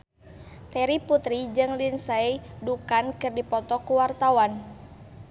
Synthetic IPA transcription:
t̪ɛɾiput̪ɾid͡ʒɨŋlinsaidukankɨrdipɔt̪ɔkuwart̪awan

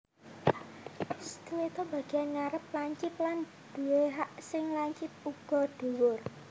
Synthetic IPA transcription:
sə̥k̪uwet̪ɔbä̤ɡ̥ianŋaɾəp̚laɲt͡ʃɪp̚lan | d̪̥uweɦaʔsɪŋlaɲt͡ʃɪp̚uɡ̥ɔ̤ɖ̪̥uwʊr

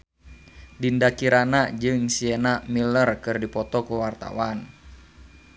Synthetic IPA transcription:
dindakiɾanad͡ʒɨŋsienamilərkɨrdipɔt̪ɔkuwart̪a̰wan

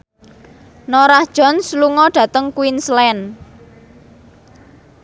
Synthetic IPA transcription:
noɾahd̥ʒ̥ɔ̤nsluŋɔɖ̥ä̤t̪əŋkuwinslɛn

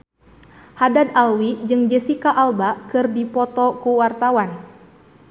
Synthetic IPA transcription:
hadad̪alwid͡ʒɨŋd͡ʒɛsikaʔalbakɨrdipɔt̪ɔkuwart̪awan

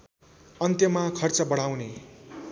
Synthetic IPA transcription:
ʌnt̪jʌmakʰʌrt͡sʌbʌɽ̤awne

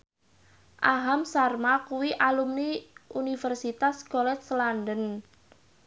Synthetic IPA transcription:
ʔaɦamsarmakuwiʔalumniʔunifərsit̪askolɛt̪slandən

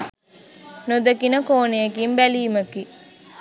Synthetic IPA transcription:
nud̪əkinəkoːnejekimbæliːməki

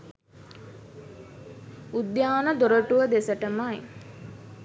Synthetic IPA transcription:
ud̪jaːnəd̪oɾəʈuʋəd̪esəʈəmaj

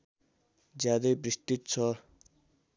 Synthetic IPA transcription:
d͡zjad̪ʌjbrist̪it̪̚t͡sʰʌ

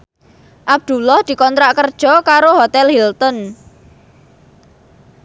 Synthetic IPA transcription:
ʔab̚d̪̥ṳlɔhd̪̥i̤kɔnt̪ɾaʔkərd̥ʒ̥ɔ̤kaɾoɦot̪ɛlhilt̪ɔn

